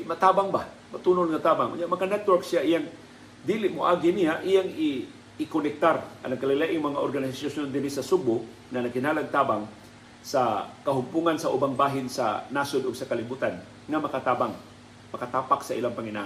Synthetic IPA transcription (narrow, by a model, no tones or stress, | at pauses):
mɐt̪aːbaŋba | mɐt̪unolŋat̪aːbaŋʔʊ̰njaʔmɐkanɛt̪̚wɛɹksjaʔijaŋ | d̪ilɪʔmʊʔaɡɪnijaʔɪjaŋɪː | konɛk̚t̪ara̰laŋkalɪlajʔɪŋmɐŋaʔoɾɡanɪsasasjond̪ɪɾɪsɐsuɡ̚bʊʔ | ŋɐnɐɡkɪnaːlaɡ̚t̪abaŋ | sakɐɦʊmpuŋansaʔʊbaŋbaːɦɪnsa̰nasod̪ʊɡsɐkalɪbuːt̪an | ŋamɐkat̪aːbaŋ | mɐkat̪aːpaksaʔḭlaŋpaŋɪna̰ʔ